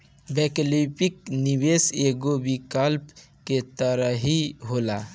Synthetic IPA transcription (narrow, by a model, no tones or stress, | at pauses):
beklipik̚nibeseɡobikəlp | ket̪əɾəɦiɦola